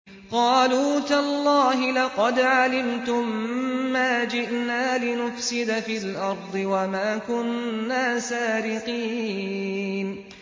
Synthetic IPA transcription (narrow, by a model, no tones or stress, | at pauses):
qɑːluːt̪alˤːɑːɦɪlɑqɑd̪ʕalɪmt̪ʊmːaːd͡ʒɪʔnaːlɪnʊfsɪd̪afilʔɑɾˤd̪ˤɨwamaːkʊnːaːsaːɾɪqiː | n